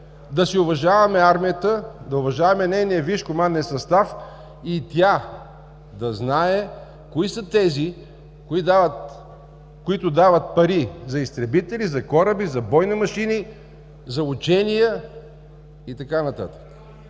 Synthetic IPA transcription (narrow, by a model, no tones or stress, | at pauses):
d̪ɐsiʊvɐʒavɐmɛaɾmijət̪əd̪ɐʊvɐʒavɐmɛnɛjnijəviʃkʊmanːɛsɐst̪af | it̪ja | d̪ɐznaɛ | koisət̪ɛzi | kid̪avət̪ | kʊit̪ʊd̪avət̪̚pɐɾizɐist̪ɾɛbit̪ɛlizɐkɔɾəbizɐbɔjnimɐʃini | zɐʊt͡ʃɛnijə | it̪ɐkanɐt̪a̰t̪ə̥k